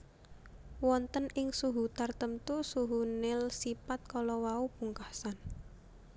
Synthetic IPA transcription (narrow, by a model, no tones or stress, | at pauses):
wɔnt̪ənɪŋsuɦut̪art̪əmt̪usuɦunɪlsipat̪̚kɔlɔwaupuŋkasan